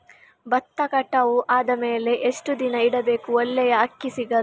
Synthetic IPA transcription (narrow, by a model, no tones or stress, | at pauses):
bɐt̪ːɐkɐʈːɐʋuʔaːd̪ɐmeːle̞ʔeʂʈud̪inɐiɽɐbe̞ːkuɔlːɛjɐɐkːisiɡɐɾu